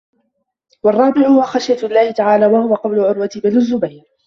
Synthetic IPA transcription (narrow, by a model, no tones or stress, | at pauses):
wɑrˤːɑːbɪʕʊhʊwaxaʃjalːaːhɪt̪aʕaːlaːwahʊwaqɑblʊʕʊɾwat̪ɪbɪlʊzːʊbajɾ